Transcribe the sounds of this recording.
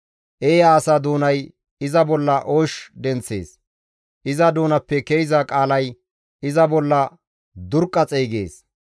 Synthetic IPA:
ʔejaːsɐd̪uːnɐj | ɪzɐbɔlːɐʔoːʃd̪ɛnt͡sːe̞̰ːs | ʔɪzɐd̪uːnɐpːɛkejzɐkʼaːlɐj | ɪzɐbɔlːɐ | d̪ʊɾkʼːɐt͡sʼejɡe̞̰ːs

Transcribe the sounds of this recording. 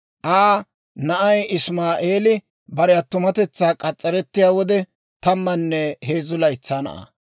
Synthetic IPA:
ʔaː | nɐʔɐjɪsmaːʔeːlɪ | bɐɾɛjɐt̪ːʊmɐt̪ɛt͡sːaːkʼɐt͡sʼːɐɾɛt̪ːɪjaːwɔd̪ɛ | t̪ɐmːɐnːɛheːzʊlɐjt͡sːaːnɐ̰ʔɐ̰

